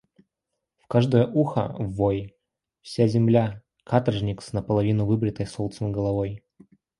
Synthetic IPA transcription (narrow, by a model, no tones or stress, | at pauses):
fkaʐd̪əjəʔuxə̰vːoj | fsʲazʲɪmlʲa | kʰat̪ərʐnʲɪksnəpəlˠɐvʲinʊvɨbɾʲɪt̪əjsolˠt̪sənɡəlˠɐvoj